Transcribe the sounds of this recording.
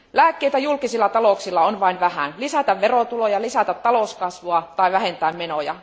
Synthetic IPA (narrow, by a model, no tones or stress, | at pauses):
læːkːeit̪æjulkisilːɑt̪ɑloksilːɑonʋɑinʋæhæ̰nlisæt̪æʋʋerot̪ulojɑlisæt̪æt̪t̪ːɑloˑskɑsʋoɑt̪ɑiʋæhent̪æːmmenojɑ̰